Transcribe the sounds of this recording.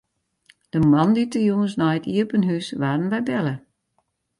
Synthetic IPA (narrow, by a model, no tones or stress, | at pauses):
d̥əmɑnditəjuŋənsnɔjətiəpənɦysʋaːdənbɛjbɛlə